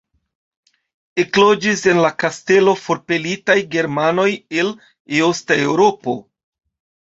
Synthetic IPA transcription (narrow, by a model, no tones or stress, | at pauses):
e̞klo̞d͡ʒise̞nlakaste̞lo̞fo̞ɾpe̞litajɡe̞ɾmano̞je̞l | eostae̞wɾo̞po̞